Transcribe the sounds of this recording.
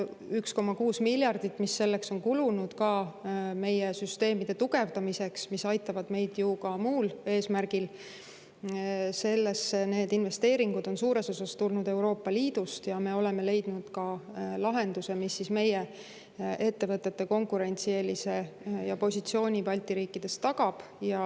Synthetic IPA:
yksko̞mːɑkuːsmilʲjɑrd̪̥it̪ːˑmisːe̞lːe̞kso̞nkulunud̪̥kɑme̞jesyst̪e̞ːmid̪̥e̞t̪uɡ̥e̞vd̪̥ɑmise̞ksmisɑjt̪ːˑɑvɑd̪me̞jd̪̥jukɑmuːle̞ːsmærɡ̥il | se̞lːe̞sne̞ːd̪inve̞st̪e̞ːɾiŋɡud̪̥o̞nsuːɾe̞so̞sɑst̪ulnud̪e̞wɾo̞ːpːɑliːd̪̥ust̪jɑme̞o̞le̞me̞le̞jd̪̥nud̪̥kɑlɑɦe̞nd̪use̞misːisme̞je | ʔe̞t̪ːe̞vɤt̪ːˑe̞t̪ːe̞ko̞ŋkuɾe̞nʲt̪sielise̞jɑpo̞sʲit̪sio̞ːnʲipɑlʲt̪iɾiːkːˑid̪̥e̞st̪ɑɡ̥ɑb̥jɑ

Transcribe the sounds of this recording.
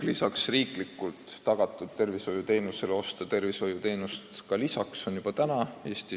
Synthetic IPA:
lisɑksriːklikːˑult̪ːɑɡ̥ɑt̪ːˑud̪̥̚t̪e̞rviso̞jut̪e̞ːnuse̞leo̞st̪ɑt̪e̞rviso̞jut̪e̞ːnust̪kɑlisɑkso̞njub̥ɑt̪ænɑe̞ːst̪i

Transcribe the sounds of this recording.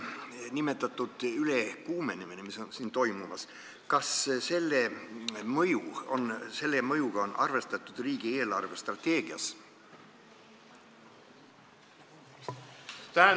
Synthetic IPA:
nime̞t̪ːˑɑt̪ːˑud̪̥yle̞kuːme̞niminemiso̞nsiːnt̪o̞jmumɑs | kɑsse̞lːemɤjuo̞̰nse̞lːemɤjuɡ̥ɑo̞nʔɑ̰rve̞st̪ɑt̪ːˑud̪̥riːɡ̥ie̞ːlɑrve̞st̪rɑt̪ːe̞ːɡ̥iɑs | t̪æː

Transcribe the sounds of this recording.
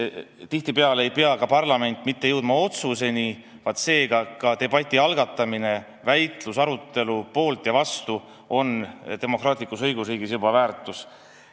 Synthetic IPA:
t̪iht̪ipeɑleejpeɑkɑpɑrlɑme̞nt̪ːˑmit̪ːejɤwd̪̥mɑo̞t̪suse̞ni | vɑt̪se̞ːɡ̥ɑkɑt̪e̞b̥ɑt̪ʲːˑiɑlɡ̥ɑt̪ːˑɑmine̞ | væjt̪lusɑɾut̪ːe̞lupo̞ːlt̪jɑvɑst̪u | o̞nt̪e̞mo̞krɑːt̪ˑlikːˑusɤjɡ̥usriːɡisjobɑvæːrt̪ːˑus

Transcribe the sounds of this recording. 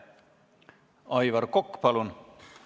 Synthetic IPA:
ɑjʋɑrkokːpɑlun

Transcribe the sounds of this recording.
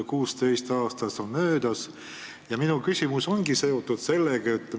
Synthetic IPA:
kuːst̪e̞jst̪ɑːst̪ɑsonmø̞ːd̪ɑs | jɑminukysʲimuso̞ŋɡ̥ise̞o̞t̪ːˑud̪̥se̞lːeɡ̥ɑet̪ːˑ

